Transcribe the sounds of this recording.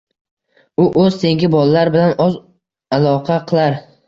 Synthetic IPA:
ʊʔɵzt̪ʰe̞ŋɡʲɪbɒlalaɾbɪlanɒz | alˠɒqʰɑqʰɨlˠaɾ

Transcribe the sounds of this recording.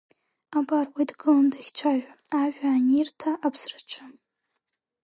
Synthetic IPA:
abarwidɡɨlandaxʲt͡ʃʷʰaʒᶣa | aʒᶣaːnirtʰaʔabʰsrɨʈ͡ʂʰa

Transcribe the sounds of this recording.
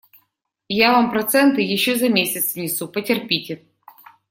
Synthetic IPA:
javampɾɐt̪sɛnt̪ɨjɪɕːozɐmʲesʲɪt̪svnʲɪsupətʲɪrpʲitʲɪ

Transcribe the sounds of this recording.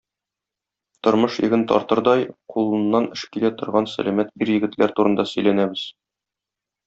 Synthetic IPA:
t̪ŏɾmɤʃjɘ̰̆ɡɘnt̪ɒ̰ɾt̪ɤɾd̪ɒjqulˠɤ̆nːɑnɘ̆ʃkilæt̪ŏɾʁɑnsæ̰læmæt̪̚iɾjɘ̆ɡɘ̆t̪læɾt̪uɾɤ̆nd̪ɑsɵ̆jlænæbɘz̥

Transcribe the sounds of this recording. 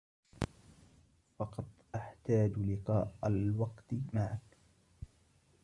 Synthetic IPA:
fɑqɑt̪ˤʔaħt̪aːd͡ʒlɪqɑːʔalwɑqt̪maʕak

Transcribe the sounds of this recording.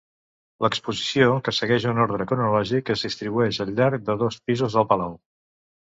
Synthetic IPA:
ləkspuzisiokəsəɣɛʒunoɾð̞ɾəkunulɔʒikəzðist̪ɾiβuɛʃəlʎʎaɾk̚d̪əðɔspizuzðəlˠpəlaw

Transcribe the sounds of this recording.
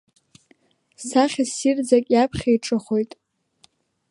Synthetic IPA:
saχʲasird͡zakʲʼjapʰχʲaiʈ͡ʂʼɨχojtʼ

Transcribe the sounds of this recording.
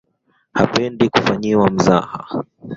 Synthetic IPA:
hapɛndikufaɲiwam̩zaha

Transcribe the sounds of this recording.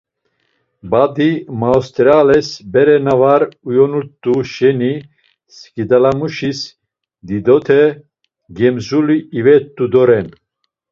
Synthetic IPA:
bad̪imawst̪ɾalɛsbɛɾɛnavaɾujɔnut̪ʼːuʃɛni | skid̪alamuʃis | d̪id̪ɔt̪ʰɛ | ɡɛmzuliːvɛt̪ʼːud̪ɔɾɛn

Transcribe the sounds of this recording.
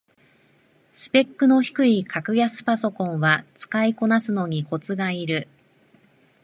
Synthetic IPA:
sɨ̥pe̞kːɯ̟no̞çi̥kɯ̟ikʰakɯ̟jasɨ̥paso̞kõ̞ɰ̃βat͡sɨ̥kaiko̞nasɨno̞ɲ̟iko̞t͡sɨɡaiɾɯ̟

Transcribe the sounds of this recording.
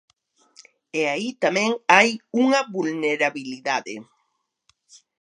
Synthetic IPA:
eait̪amẽŋajuŋɐβulneɾaβiliðaðḛ

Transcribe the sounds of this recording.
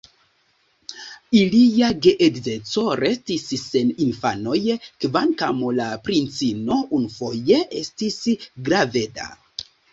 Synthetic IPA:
iliaɡeʔedze̞t͡so̞ɾe̞stisse̞ninfano̞jkvaŋkamolapɾint͡sino̞ʔunufo̞jeʔestisɡɾave̞da̰

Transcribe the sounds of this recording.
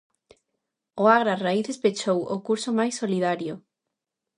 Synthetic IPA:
oaɣɾaraiθespet͡ʃowʊkuɾsomajsːoliðaɾjʊ

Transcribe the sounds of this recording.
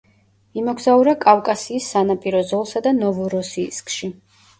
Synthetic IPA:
imɔɡzauɾakʼavkʼasiːsːanapʼiɾɔzɔlˠsad̪anɔvuɾɔsḭːskʼʃi

